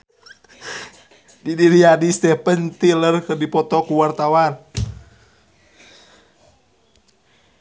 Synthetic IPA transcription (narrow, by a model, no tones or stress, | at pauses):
didiɾiadist̪ɛpənt̪ilərkɨrdipɔt̪ɔkuwart̪awan